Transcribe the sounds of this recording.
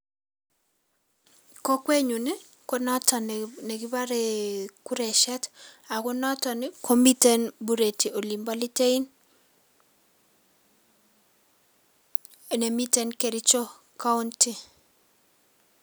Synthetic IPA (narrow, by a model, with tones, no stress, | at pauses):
kɔ˦kwe˦ɲu˨nɪ˦ | kɔ˦nɔ˦ta˨nɛ˨ki˦ba˦ɾe˨ku˦ɾɛ˨ʃɛ˦ta˨kɔ˦nɔ˦tɔ˨nɪ˦kʰɔ˦mi˦tɛ˦nbu˦ɾe˨ti˨o˨li˨mba˦li˦te˦i˦n˨ | nɛ˨mi˦tɛ˦nke˨ɾi˦t͡ʃɔ˦ | ka˦ʊ˦nti˦